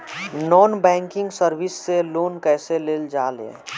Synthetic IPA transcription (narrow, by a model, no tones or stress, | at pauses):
nɔːnbɛ̃ːŋkɪ̃ŋɡsəɾʋɪsːeloːnkɛːseleːld͡ʒaːlḛ̃